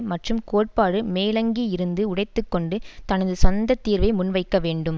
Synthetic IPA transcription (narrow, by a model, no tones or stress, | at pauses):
mɐʈrɯmkoːʈ̚paːɽɯmeːlɐŋɡiɪɾɯnd̪ɯʊɽɐɪt̪ːɯkːɔɳɖɯt̪ɐnɐðɯsɔnd̪ɐt̪ːiːɾʋɐɪmʊnʋɐɪkːɐʋeːɳɖɯm